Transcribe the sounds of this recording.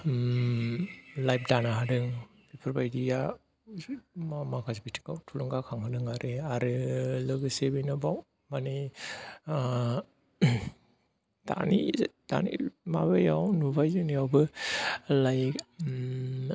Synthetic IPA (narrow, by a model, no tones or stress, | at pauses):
lajp̚danaɦadɯŋ | bipʰɾbajdija | makʰasbitʰi̥kawtʰuluŋɡakʰaŋhadɯŋaɾʔeaɾɯlɯɡɯsebijnɯbaw | mani | da̰nḭda̰nḭmabajawnubajzɯniawbɯ | laj